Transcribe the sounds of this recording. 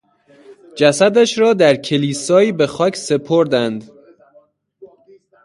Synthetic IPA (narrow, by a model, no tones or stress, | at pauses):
d͡ʒæsæd̪æʃɾɒːd̪æɾcʰe̞liːsɒːiːbe̞xɒːcʰse̞pʰoɾd̪ænd̪